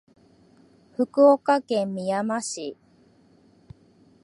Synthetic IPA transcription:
ɸɯ̟kɯ̟okakẽmːʲijamaɕi

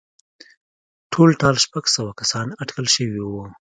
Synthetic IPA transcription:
ʈʰolʈɑlʃpaɡsəwakasɑnaʈkəlʃəwiwu

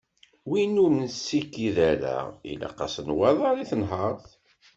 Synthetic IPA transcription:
winumnsːikːiðæɾæ̰ḭla̰qɑsənwɑðˤɑɾˤiθənɦɑɾˤθ

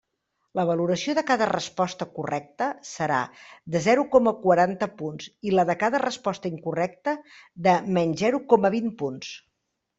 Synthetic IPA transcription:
ləβ̞əluɾəsioðəkaðərəspɔst̪əkurɛk̚t̪əsəɾa̰d̪əzɛɾukɔməkwəɾant̪əpunziləðəkaðərəspɔst̪əiŋkurɛk̚t̪əðəmɛnzɛɾukɔməβ̞impuns

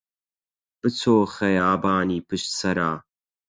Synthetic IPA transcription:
b̥ɨt͡sʰoːxɐjaːbaːniːpɨʃt̪sɐɾaː

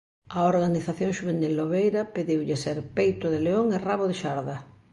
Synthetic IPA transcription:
aoɾɣaniθaθjoŋʃuβenilːoβejɾapeðiwʎɪseɾpejt̪ʊðeleoŋeraβoðeʃaɾða

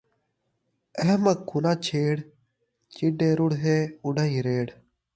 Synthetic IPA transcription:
əɦməkːunãːt͡ʃʰeːɽ | t͡ʃiɖeːɾʊɽɦeːʊɖaːĩːɾeːɽ

